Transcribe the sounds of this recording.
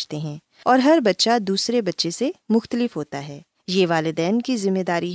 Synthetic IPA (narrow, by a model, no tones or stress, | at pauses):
t̪eɦɛ̃ː | ɔːɾɦɐɾbɐtːʃad̪uːsɾebɐtːʃesemʊxt̪əlɪfɦoːt̪aɦɛː | jeːʋaːlɪd̪ɛːnkizɪmːeːd̪aːɾiɦ